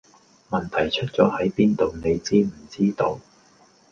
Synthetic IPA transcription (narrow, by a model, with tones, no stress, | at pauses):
mɐ˨nt̪ʰɐ˨˩jt͡ʃʰɵ˥t̚t͡sɔː˨˥hɐ˨˥jpiː˥nt̪o˨wne˨˧jt͡siː˥m̩˨˩t͡siː˥t̪o˨˧w